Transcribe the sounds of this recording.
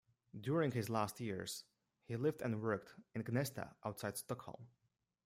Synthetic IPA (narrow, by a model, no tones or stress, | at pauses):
dʊɹɪ̃ŋhɪzlæstʰjɪɹz̥ | hilɪvdɨ̰̃nwɜ˞k̚tɨ̃nɡnɛstə̰ʔaʊtsaɪd̥stɔkhɔ̰lˠm